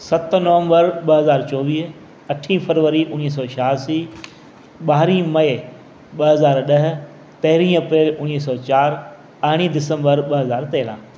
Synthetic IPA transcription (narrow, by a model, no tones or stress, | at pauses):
sɐt̪nɐʋə̃mbəɾɓɐɦɐzaːɾt͡ɕɔːʋiːɦ | ɐʈʰĩfɐɾʋəɾiʔʊniːɦs̬ɔːʃʰaːsiː | ɓaːɾĩːmɐe | ɓɐɦɐzaːɾɗɐɦ̆ | t̪ɐɦɪɾĩɐpɾeːlʊniːs̬ɔːt͡ɕaːɾ | ɐɦɽ̃id̪ɪsə̃mbəɾɓɐɦɐzaːɾt̪eːlã̰ː